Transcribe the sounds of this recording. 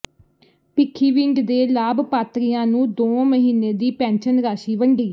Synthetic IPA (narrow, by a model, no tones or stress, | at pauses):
pɪkʰːiːʋɪ̃ɳɖd̪eːlaːbpaːt̪ɾijãːnũːd̪oːməɦiːneːd̪iːpɛ̃ːnʃənɾaːʃiːʋəɳɖiː